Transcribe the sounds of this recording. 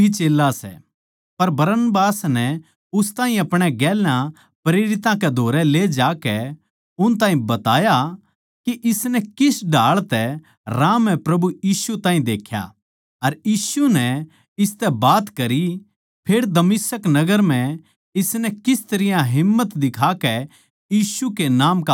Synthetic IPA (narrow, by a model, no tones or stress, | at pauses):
it͡ʃeːlːasɛ̰ | pɐɾbɐɾənbaːsnɛ | ʊst̪ãːɦĩɐpɽ̃ɛɡɛːlã | pɾeːɾɪt̪ãkɛd̪ʱoːɾɛleːd͡ʒaːkɛ | ʊnt̪̬aːɦĩbɐt̪aːja | kiʔɪsnɛkɪsɖʱaːɭt̪ɛ | ɾãːmɛ̃pɾɐbujiːsut̪ãːĩd̪eːkʰja̰ | ɐɾjiːsunɛ | ɪst̪ɛbaːt̪kɐɾi | pʰeːɽd̪ɐmɪsəknɐɡəɾm̤ɛ̃ | ɪsnɛkɪst̪ɐɾɪjãɦɪmːət̪d̪ɪkʰaːkɛ | jiːsukenaːmka